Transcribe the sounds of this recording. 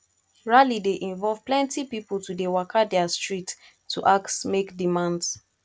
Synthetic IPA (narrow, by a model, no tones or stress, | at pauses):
ɹalideʔĩɱvɔlvplɛ̃ntipipultudewakʰadɛastɹit | tːuʔaktmekdimãnds